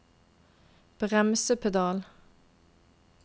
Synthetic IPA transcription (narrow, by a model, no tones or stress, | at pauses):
b̥ʁɛmsəpʰɛd̪ɑːl